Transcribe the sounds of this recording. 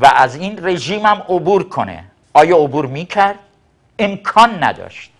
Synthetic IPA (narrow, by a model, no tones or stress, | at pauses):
væʔæziːnre̞ʒiːmæmobuːɾkʰo̞nḛ | ʔɒːjɒːobuːɾmiːcʰæɾd̪̥ | emkʰɒːnːæ̰d̪ɒ̰ːʃt̪̚